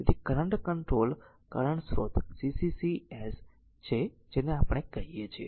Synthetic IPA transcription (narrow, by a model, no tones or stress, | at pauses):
et̪ʰikəɾəɳɖkəɳʈɾol | kəɾəɳsɾo̰t̪sisisies | t͡ʃʰe | d͡ʒeneapɽ̃ekəɦiet͡ʃʰiḛ